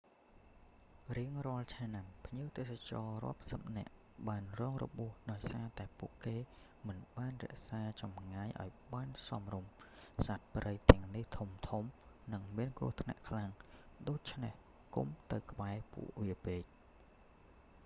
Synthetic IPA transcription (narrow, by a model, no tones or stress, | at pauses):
riəŋrŏəlt͡ɕʰanampʰɲiəwt̪eːsat͡ɕɑːrŏ̰əpsəp̚nɛ̆əʔ | ɓaːnrɔːŋrɔ̰ɓuəhɗaɔjsaːt̪aɛpuəʔkeː | mɨnɓaːnrɛ̰̆əʔsaːt͡ɕɑmŋaːjʔa̰ɔjɓaːnsɑmrumsat̪̚prəjt̪ɛ̆əŋniht̪ʰumt̪ʰumnɨŋmiənkrṵəht̪ʰna̰ʔkʰlaŋ | ɗoːc̚t͡ɕʰneh | kṵmt̪ɨwkə̆ɓaɛpṵəʔʋiəpeːc̚